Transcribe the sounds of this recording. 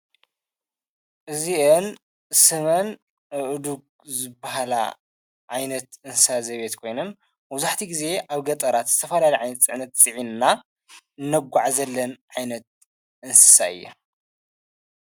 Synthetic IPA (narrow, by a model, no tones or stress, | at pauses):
ʔɨziʔɨn | sɨmɐn | ɨʔɨd̪uk̚ | zɨbːaɦala̰ | ʕajnɐt̪ɨnsɨsazɐβet̪kʰo̞jnɐn | mɐβzaħt̪ʰiɡize̞ʔaβɡɐt̪ʼɐɾat̪z̥ɨt̪ʰɐfɐlalɐjʕajnɐt̪t͡sʼɨʕnɐt̪t͡sʼɨʕinnːa | nːɐɡʷːaʕzɐlːɐnʕajnɐt̪̚ | ʔɨnsɨ̥saɨ̰jːṵ